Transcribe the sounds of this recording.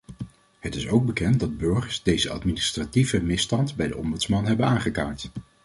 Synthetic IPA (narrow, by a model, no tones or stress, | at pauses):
hətɪsowɡ̚bəkɛnt̚dɑd̚bɵɹχəɹsdejzəɑ̰tminɪstrativəmɪstɑntbɛjdə̰ʔɔmbɵtsmɑnɦɛbənaːŋχəkaːɹt